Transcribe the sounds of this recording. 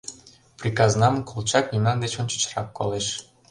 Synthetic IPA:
prʲikɑznɑmkʰolˠt͡ɕɑknʲimnɑnd̪et͡ɕonʲt͡ɕə̥t͡ɕrɑkːoleʃ

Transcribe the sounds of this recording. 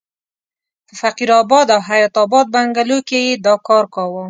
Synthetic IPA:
t̪əfaqiɾɑbɑd̪awɦajɑt̪ɑbɑd̪̚baŋɡalokejed̪ɑkɑɾkɑwə

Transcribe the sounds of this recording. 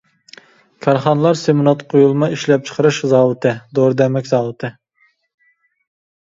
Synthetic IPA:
kʲʰɑɾχɑnɨlˠɑɾsemɨnɑt̪qʰojulˠmɑiʃlɛp̚t͡ʃʰə̥qʰəɾɨʃzɑːwɨt̪ʰɨd̪oɾd̪ɛmɛkʲzɑːwɨt̪ʰɨ

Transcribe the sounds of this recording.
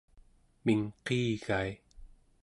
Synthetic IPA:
miŋqiːɣaj

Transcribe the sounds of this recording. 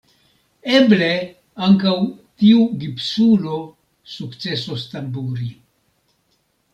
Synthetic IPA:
e̞ble̞ | aŋkawtiuɡipsulo̞ | sukt͡se̞sost̪ambuɾi

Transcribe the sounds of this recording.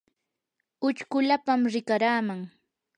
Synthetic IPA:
ʊt͡ʃkʊlapamɾɪkaɾaːmaŋ

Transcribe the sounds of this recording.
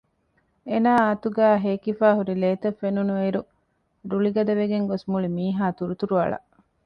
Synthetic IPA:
enaːaːt̪uɡæːɦeːkifæːɦuɾileːt̪ɐfːenunueiɾu | ɾuɭiɡɐd̪ɐʋeɡeŋɡosmuɭimiːɦaːt̪uɾut̪uɾuɐ̰ɭɐ̰ʔ

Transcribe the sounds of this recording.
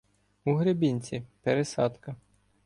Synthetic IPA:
uɦɾebʲinʲt͡sʲipeɾesɑ̰t̪kɐ

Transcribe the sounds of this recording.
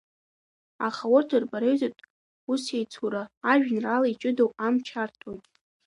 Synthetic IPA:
aχawʊrtʰɨrbaɾejzatʼ | usejt͡sʰuɾaːʒᶣnralait͡ʃʼɨdowʼamt͡ʃʰartʰojtʼ

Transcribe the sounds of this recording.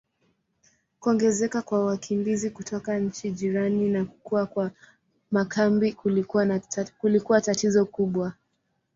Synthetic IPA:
kuɔŋɡɛzɛkakwawakʰimbizikutʰɔkaɲ̩t͡ʃiʄiɾaninakukuakwa | makʰambiakulikuwatatizɔkuɓwa

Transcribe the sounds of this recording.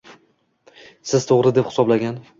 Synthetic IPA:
sɪz̥t̪ʰoʁɾɪd̪e̞pχɪ̥sɒblaɡʲan

